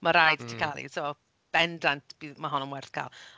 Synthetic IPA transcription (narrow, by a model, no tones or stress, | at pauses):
maɾajdtʰikʰalˠḭso | b̥ɛndantʰb̥iːðmaɦɔnənwɛrθkʰa̰ːlˠ